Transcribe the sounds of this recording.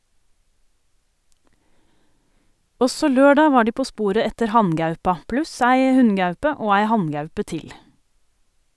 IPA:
ˈɔsɔ ˈløːɖɑː ˈʋɑː ˈɖiː ˈpoː ˈspuːɾə ˈɛtəɾ ˈhɑnˌɡɑʉpɑ ˈplʉs ˈæɪ ˈhʉnˌɡɑʉpə ˈoː ˈæɪ ˈhɑnˌɡɑʉpə ˈtɪl

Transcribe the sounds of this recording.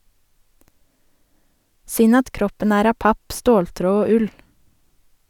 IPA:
ˈsʏn ˈɑt ˈkɾɔpən ˈæːɾ ˈɑːp ˈɑp ˈstoːlˌtɾoː ˈoː ˈʉl

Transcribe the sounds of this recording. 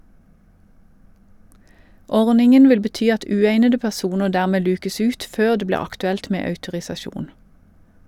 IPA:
ˈɔʁnɪŋən ˈʋɪl bəˈtyː ˈɑt ˈʉːeɪnədə pæˈsuːnəʁ ˈdæːʁmeː ˈlʉːkəs ˈʉːt ˈføːʁ ˈdeː ˈbliː ɑktʉˈɛlt ˈmeː ɑʉtʊʁɪsɑˈʃuːn

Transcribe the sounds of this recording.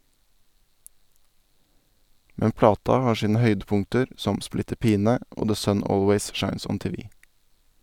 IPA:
ˈmɛn ˈplɑːtɑ ˈhɑːɾ ˈʃiːnə ˈhœʏdəˌpʊŋtəɾ ˈsɔm ˈsplɪtəɾ ˈpiːnə ˈʔoː ðə ˈsœn ˈoːlweɪz ˈʃɑɪns ˈɔn ˈteːʋɪ

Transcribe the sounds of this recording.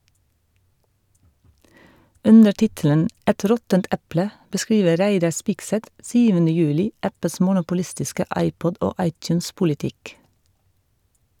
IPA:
ˈʔʉnə ˈʈɪtələn ˈʔɛt ˈɾɔtənt ˈʔɛplə bəˈskɾiːʋə ˈɾæɪdɑ ˈspɪɡˌsɛt ˈsyːʋənə ˈjʉːlɪ ˈʔæpəs mʊnʊpʊˈlɪstɪskə ˈɑɪˌpɔd ˈʔoː ˈɑɪˌtjʉːnspʊlɪˌtɪk

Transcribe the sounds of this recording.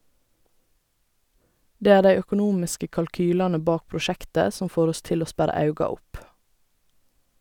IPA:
ˈdeː ˈæː ˈdæɪ œkʊˈnuːmɪskə kɑlˈkyːlɑnə ˈbɑːk pɹʊˈʃɛktə ˈsɔm ˈfoːɾ ˈɔs ˈtɪl ˈoː ˈspæɾɑ ˈɑʉɡɑ ˈʊp

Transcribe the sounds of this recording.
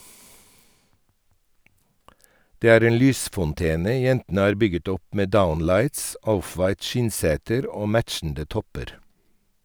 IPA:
ˈdeː ˈæːɾ ˈeːn ˈlyːsfɔnˌteːnə ˈjɛntn̩ə ˈɑːɾ ˈbʏɡət ˈɔp ˈmeː ˈdaʊnlɑɪts ˈɔfʋɑɪt ˈʃɪnˌseːtəɾ ˈoː ˈmætʃn̩də ˈtɔpəɾ

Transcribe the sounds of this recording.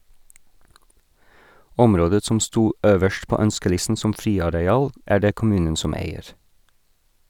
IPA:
ˈɔmɾoːdə ˈsɔm ˈstuː ˈøːʋəʃt ˈpoː ˈœnskəˌlɪsn̩ ˈsɔm ˈfɾiːɑɾɛˌɑːl ˈæː ˈɖeː kʊˈmʉːnən ˈsɔm ˈæɪəɹ

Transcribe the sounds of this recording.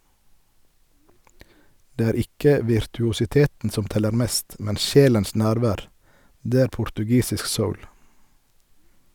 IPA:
ˈdeː ˈæːɾ ˈɪkə ʋɪɾtʉʊsɪˈteːtn̩ ˈsɔm ˈtɛləɾ ˈmeːst ˈmɛn ˈʃeːləns ˈnæːɾˌʋæːʁ ˈdeː ˈæːɾ pʊɾtʉˈɡiːsɪsk ˈsəʊl

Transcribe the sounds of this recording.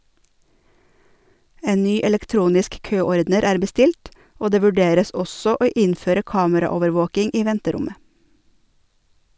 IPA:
ˈeː ˈnyː ɛlɛkˈtɾuːnɪsk ˈkøːɔɾdnəɾ ˈæːɾ bəˈstɪlʈ ˈoː ˈdeː ʋʉˈɖeːɾəs ˈɔsɔ ˈoː ˈɪnføːɾə ˈkɑːməɾɑˌoːʋəɾˌʋoːkɪŋ ˈiː ˈʋɛntəˌɾʊmə

